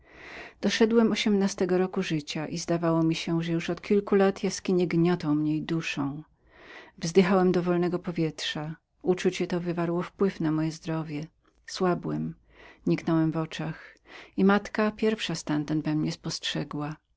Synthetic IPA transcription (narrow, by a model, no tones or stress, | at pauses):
d̪̥ɔʂɛd̪wɛmɔɕɛmnast̪ɛɡɔɾɔkuʐɘt͡ɕaʔizd̪avawɔmʲiɕɛʐɛjuʂɔt̪kʲilkulat̪ʰjaskʲiɲɛɡɲɔt̪ɔ̃w̃mɲɛjd̪uʂɔ̃w̃ | vzd̪ɘxawɛmd̪ɔvɔlnɛɡɔpɔvʲjɛtʂa | ut͡ʂut͡ɕɛt̪ɔvɘvaɾwɔfpwɘfnamɔjɛzd̪ɾɔvʲjɛ | swabwɛm | ɲiknɔwɛmvɔt͡ʂaximat̪kapʲjɛɾfʂast̪ant̪and̪vɛmɲɛspɔstʂɛɡwa